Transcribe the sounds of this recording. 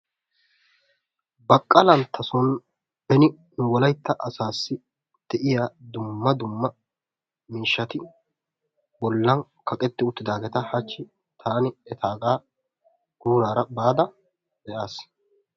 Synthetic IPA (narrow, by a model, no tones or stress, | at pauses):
bɐkʼːɐlɐnt̪ʰːɐsɔn | bɛnɪ | nʊwɔlɐjt̪ːɐʔɐsaːsːɪ | d̪̥ɛʔɪjaːd̪ʊmːɐd̪ʊmːɐ | miːʃːɐt̪ɪ | bɔlːɐn | kɐkʼɛt̪ːɪʊt̪ːɪd̪aːɡɛt̪ɐhɐt͡ʃːɪ | t̪ʰaːnɪɛt̪ʰaːɡaː | ɡ̥uːɾaːɾɐbaːd̪ɐ | d̪ɛʔaːs